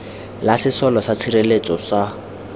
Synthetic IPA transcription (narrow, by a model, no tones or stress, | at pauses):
lasɪsɔlɔsat͡sʰirelet͡sʼɔsa